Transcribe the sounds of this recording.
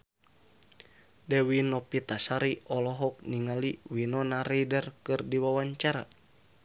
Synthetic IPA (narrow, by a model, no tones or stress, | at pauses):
dɛwinɔpit̪asaɾiɔlɔɦɔk̚niŋaliwinɔnaɾedɛrkɨrdiwawaɲt͡ʃaɾa̰